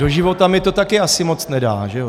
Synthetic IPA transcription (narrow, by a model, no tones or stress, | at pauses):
do̞ʒɪvo̞t̪amɪt̪o̞t̪akɪʔasɪmo̞t͡snɛda̰ːʒɛo